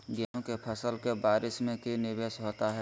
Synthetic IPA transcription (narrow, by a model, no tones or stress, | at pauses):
ɡeɦõkepʰəsəlkebaːɾɪsmẽkinɪbeːsɦoːt̪aɦɛː